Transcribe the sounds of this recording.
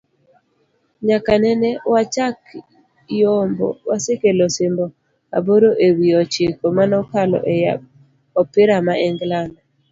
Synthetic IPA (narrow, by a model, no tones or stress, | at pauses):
ɲakanɛnɛwat͡ʃak | jɔmbɔ̰wasekelosɪmbɔ | a̰boɾoʔewiɔt͡ʃɪkomanɔkalɔ̰ʔɛa | ɔpɪɾamaɛŋɡlanɔ